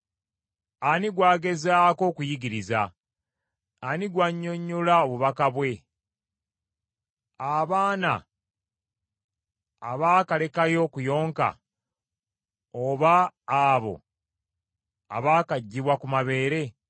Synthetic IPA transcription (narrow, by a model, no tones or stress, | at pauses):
aniɡwaːɡe̞zaːko̞ːkujiɡiɾiza | aniɡwaɲːo̞ɲːulao̞βuβakaβwe̞ | aβaːna̰ | βaːkale̞kajo̞kujo̞ːŋka̰ | oβaːβo̞̰ | a̰βaːkaɟːiβwakumaβe̞ːɾe̞